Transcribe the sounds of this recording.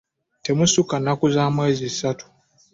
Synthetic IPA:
temusukanakuzamweːzisatu̥

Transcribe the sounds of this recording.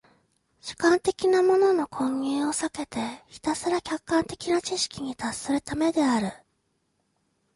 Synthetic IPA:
ɕi̥kãnt̪e̞kʲinamo̞no̞no̞kʰõ̞ŋɡʲĩo̞sake̞t̪e̞çi̥t̪asɨɾakʲakːãnt̪e̞̥kʲinat͡ɕiɕi̥kʲiɲ̟it̪asːɨɾɯ̟t̪ame̞d̪e̞aɾɯ̟

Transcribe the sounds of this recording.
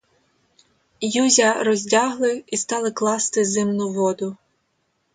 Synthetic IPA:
juzʲɐɾɔzʲdʲɑɦlˠɪist̪ɑlˠɪklˠɑst̪ɪzɪmnʊʋɔd̪ʊ

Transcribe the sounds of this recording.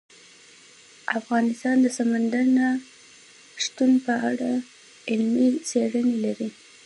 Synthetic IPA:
afɣɑnɪst̪ɑnd̪əsamand̪aɾna | ʂt̪unpəaɽa | ɪlmit͡seɽənelaɾi

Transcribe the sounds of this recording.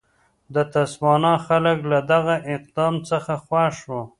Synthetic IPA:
d̪ət̪aswɑnɑxaləklad̪aɣaʔɪq̚d̪ɑmt͡səxaxwɑʃwo

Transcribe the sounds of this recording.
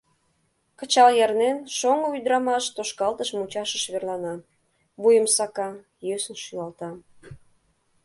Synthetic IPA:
kət͡ɕɑljɑrnenʃoŋoyd̪ɾɑmɑʃt̪oʃkɑlt̪əʃmut͡ɕɑʃəʃβerlɑnɑ | βujəmsɑkɑ | jøsənʃylɑlt̪ɑ

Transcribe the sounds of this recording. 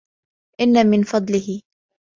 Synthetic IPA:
ʔɪnːamɪnfɑd̪ˤlɪhɪ

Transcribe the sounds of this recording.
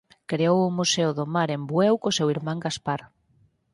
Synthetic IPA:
kɾeowʊmuseoðomaɾembwɛwkosewiɾmãŋɡaspaɾ

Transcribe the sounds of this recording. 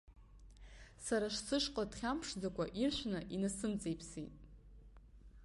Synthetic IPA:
saɾaʂsɨʂqʼadχʲampʰʂd͡zakʷaʔirʃʷᶣnɨʔinasɨmt͡sʼejpʰsḭtʼ

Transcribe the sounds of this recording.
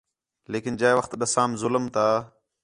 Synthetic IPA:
leːkɪnd͡ʑaeʋəxt̪ɗəsaːmzʊləmt̪aː

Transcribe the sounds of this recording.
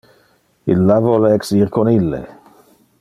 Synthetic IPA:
ilːavɔleɛksiʁkʰonilːḛ

